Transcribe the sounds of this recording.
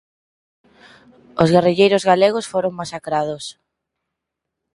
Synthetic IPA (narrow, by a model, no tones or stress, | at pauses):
ozɣariʎejɾozɣaleɣ̞osfoɾoŋmasakɾaðos